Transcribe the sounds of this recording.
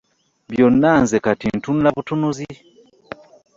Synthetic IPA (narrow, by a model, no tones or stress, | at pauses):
bjonːaːnzekatintunulaβutunuzi